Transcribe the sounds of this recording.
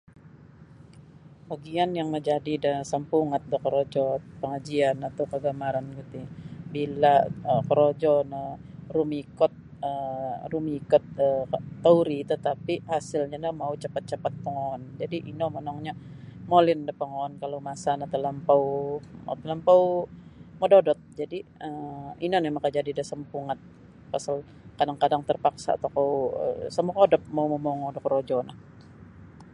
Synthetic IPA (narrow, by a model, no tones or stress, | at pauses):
baɡianjaŋməd͡ʒadidasampuŋat̪̚dakəɾod͡ʒɔt̪̚pəŋad͡ʒianat̪awkəɡamaɾanɡit̪ibilaəkəɾod͡ʒɔnarumikɔt̪̚ | ərumikɔt̪̚əːauɾit̪ət̪apihasɪlɲanamaut͡ʃapat̪̚t͡ʃapat̪̚pəŋoɔnd͡ʒadiʔinɔmənɔŋɲa | molɪndapəŋoɔnkalomasanat̪ələmpawm̰t̪ələmpaw | mododɔt̪̚d͡ʒadiəinɔnjamakad͡ʒadidasəmpuŋat̪̚ | pasal | kadaŋkadaŋt̪ərpaksa̰t̪akowə̰samakodɔp̚mauməmɔŋodɔkɾod͡ʒɔnah